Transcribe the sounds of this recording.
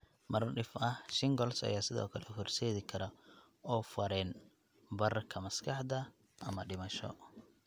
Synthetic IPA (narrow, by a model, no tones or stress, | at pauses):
mɐrɖɪfɐhʃɪŋɡɔlsɐ̰jaːsɪðɔ̰ːkʰɐlɛhʊrsɛːðɪkʰɐɾɐ | ɔːfɐɾɛːn | bɐrkʰɐmɐskʰɑħd̪ɐ | ɐmɐɖɪmɐʃɔ̰